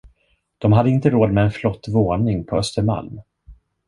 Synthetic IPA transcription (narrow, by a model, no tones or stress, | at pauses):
d̪̥ɔmɦad̪ːəɪnt̪əɾoːd̪mɛɛnflɔt̪ːvoːnɪŋpʰɔœst̪əɾma̰lm